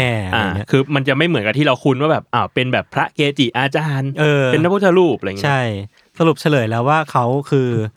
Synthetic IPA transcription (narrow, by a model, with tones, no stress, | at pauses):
ɛː˥˩ʔaaː˧˩˦kʰɯː˧ma˧nt͡ɕa˨˩ma˥˩jmɯ˩˦nka˧t̪ʰiː˥˩ɾa˧wkʰu˧nwaː˥˩bɛː˨˩p̚ʔaː˧˩wpe˧nbɛː˨˩pʰɾa˦˥ʔkeː˧t͡ɕi˨˩ʔaː˧t͡ɕaː˧nʔɤː˧pe˧nːa˦˥pʰu˥˩t̪ʰːa˧ɾuː˥˩p̚laː˧it͡ɕʰːa˥˩j | sa˧lu˨˩p̚t͡ɕʰa˧lɤː˩˦jlɛː˦˥waː˥˩kʰa˦˥wkʰɯː˧